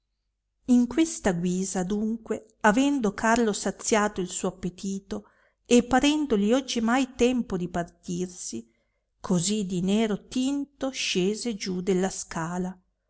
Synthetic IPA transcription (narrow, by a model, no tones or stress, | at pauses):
iŋkwest̪aɡwiːzad̪uŋkwe | avɛnd̪okʰarlosat̪sːjaːt̪oilsuːoapːet̪ʰiːt̪o | epːaɾɛnd̪oliɔd͡ʒːimajt̪ɛmpod̪ipart̪irsi | kʰozid̪ineːɾot̪int̪oʃeːzed͡ʒud̪elːaskaːla